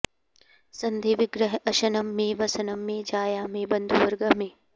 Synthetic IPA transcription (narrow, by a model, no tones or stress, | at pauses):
sɐnd̪ʱeʋɪɡɾɐɦɐʃɐnɐmːẽːʋɐsɐnɐmːẽːd͡ʒaːjaːmẽːbɐnd̪ʱuʋɐɾɡɐmẽː